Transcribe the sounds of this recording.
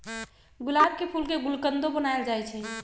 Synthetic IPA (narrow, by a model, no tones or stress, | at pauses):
ɡulab̚kepʰulkeɡulkənd̪obənaeld͡ʒajt͡ʃʰɛ